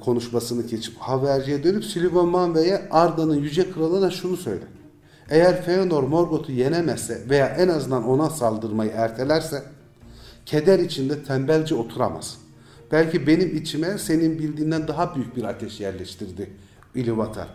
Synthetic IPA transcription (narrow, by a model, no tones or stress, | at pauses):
kʰo̞nuʃmasɯnɯcʰe̞t͡ʃʰi̥phavæɾd͡ʒijɛd̪ø̞nypsilʲivonmanvejɛaɾd̪anɯnjyd͡ʒɛkʰɯɾalˠɯːnaʃunusø̞̰jd̪ɛ̰ | ejæɾfeono̞ɾmo̞ɾɡo̞t̪ʰuje̞nɛmɛsːɛve̞jaːʔɛnazɯnd̪ano̞nasalˠd̪ɯɾmajɯæɾt̪ʰe̞lʲæɾsɛ | cʰed̪æɾit͡ʃʰind̪ɛt̪ʰæmbælʲd͡ʒio̞t̪ʰuɾa̰ma̰z̥ | b̥ælʲcʰibe̞nimit͡ʃʰimɛse̞ninbilʲd̪iːnd̪ænd̪aɦabyjyc̚biɾat̪ʰɛʃjæɾlʲɛʃt̪ʰiɾd̪i | ilʲivat̪ʰa̰ɾ